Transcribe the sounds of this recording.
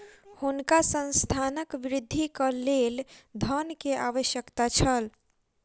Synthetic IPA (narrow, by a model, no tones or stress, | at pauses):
hunkasə̃nst̪ʰanəkʋɾɪd̪ʱːikəleld̪ʱənkeʔaʋəʃjəkt̪at͡ʃʰəl